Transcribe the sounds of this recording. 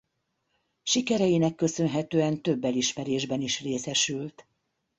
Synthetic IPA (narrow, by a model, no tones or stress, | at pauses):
ʃikɛɾɛjinɛkːø̞sø̞nɦɛt̪øːɛnt̪ø̞bːɛliʃmɛɾeːʒbɛniʃreːsɛʃylt̪